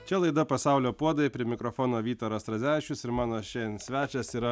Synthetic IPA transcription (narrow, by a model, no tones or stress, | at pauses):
t͡ʃʲɛlˠɐɪd̪ɐpɐsɑˑʊlʲoːpuɔd̪ɐepʲɾʲiɪmʲɪkɾofoːnoːʋʲiːt̪oːɾɐst̪ɾɐzʲæːʋʲɪʃʲʊsɪɾmɑːnoːʃʲɛnsʲʋʲæːt͡ʃʲɛsiːɾɐ